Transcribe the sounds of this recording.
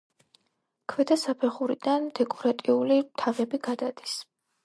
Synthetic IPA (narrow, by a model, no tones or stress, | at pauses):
kʰvɛd̪asapʰɛχuɾid̪and̪ɛkʼɔɾat̪ʼiulimt̪ʰavɛbiɡad̪ad̪̥i̥s